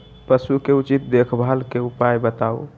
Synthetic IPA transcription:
pəsukeut͡ʃit̪̚d̪ekʰbʱalkeupajbət̪au

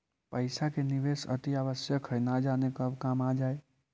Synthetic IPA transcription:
pəɪsakeniʋesə̰t̪iaβəsjəkʰɦəjnad͡ʒanekəbkamad͡ʒae

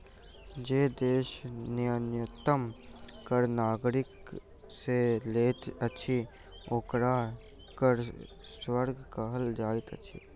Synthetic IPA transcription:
d͡ʒeːd̪eːʃnɪjənjət̪əmkəɾnaːɡɾɪk | seleːt̪ɐtːʃʰi | oːkɽa | kəɾ | swəɾɡkaɦəld͡ʒaːɪt̪ə̰t͡ʃʰḭː

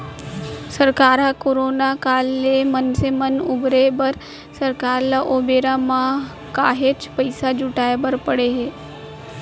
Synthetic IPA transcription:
səɾkaːɾakoːɾoːnakaːlːemənsemənʊbɾebəɾ | səɾkaːɾlaʔoːbeːɾãmã | kaːɦeːt͡ʃpəɪsad͡ʒʊʈaːebəɾpəɽeɦeː

